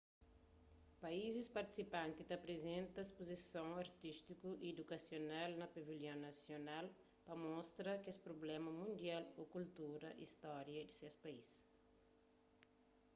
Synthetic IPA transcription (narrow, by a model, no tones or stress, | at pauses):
paizispaɾt̪i̥sipãnt̪id̪ɐpɾezẽnt̪ɐespozisõwaɾt̪ist̪ikuʔied̪ukasjonalnɐpeviljõw̃nɐsjonal | pɐmɔst̪ɾɐkespɾoblɛmɐmũnd̪ialokult̪uɾɐ̰ʔḭst̪ɔɾjɐd̪isespais